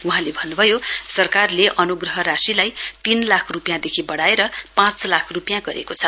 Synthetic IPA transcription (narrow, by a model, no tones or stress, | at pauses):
wuɦãlebʱʌnːubʱʌjosʌrkarleʔʌnuɡrʌɦʌɾasilajt̪inlakʰrupjãd̪ekʰibʌɽaeɾʌpãt͡slakʰrupjãɡʌɾḛkot͡sʰʌ